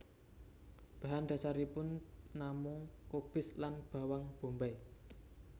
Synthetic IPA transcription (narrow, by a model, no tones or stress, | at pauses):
b̥a̤ɦand̪̥a̤saɾipʊnnamʊŋkob̥ɪslanb̥ä̤waŋb̥o̤mbaj